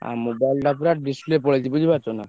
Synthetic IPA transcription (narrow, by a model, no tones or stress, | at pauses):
a̰mobajlɖapɾaʈ̚ɖisplepoɽet͡ɕibud͡ʑʱibat͡ʃona